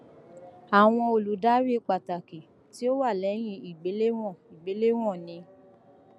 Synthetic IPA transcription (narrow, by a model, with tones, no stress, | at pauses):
a˨w̃ɔ̃˧o˨lu˨˦da˦ɾi˦k͡pa˨ta˨ki˨ | ti˦o˦wa˦˨lɛ˨˦j̃ĩ˧˦i˨ɡ͡be˨˦le˦w̃ɔ̃˦˨i˨ɡ͡be˨˦le˦w̃ɔ̃˦˨nĩ˧